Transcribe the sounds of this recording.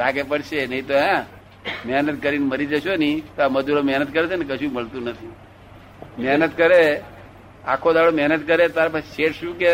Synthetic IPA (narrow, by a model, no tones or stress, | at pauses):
ɾaɡepəɽʃenəɦĩt̪oã | mɛɦnət̪̚kəɾinməɾid͡ʒəʃonit̪aməd͡ʒuɾomɛɦnət̪̚kəɾet͡ʃʰenekəʃũməɭt̪ũnət̪ʰi | mɛɦnət̪kəɾe | akʰod̪aɭomɛɦnət̪kəɾet̪aɾpaʃeʈʃũke